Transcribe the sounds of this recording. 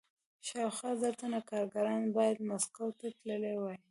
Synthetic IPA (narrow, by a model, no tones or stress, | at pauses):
ʃawxɑzəɾt̪anakɑɾɡaɾɑnbɑjad̪maskawt̪aʈləlewɑj